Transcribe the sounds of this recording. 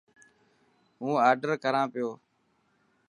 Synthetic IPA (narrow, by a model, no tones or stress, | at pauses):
ɦũːaːɾɖəɾkəɾãːpɪjoː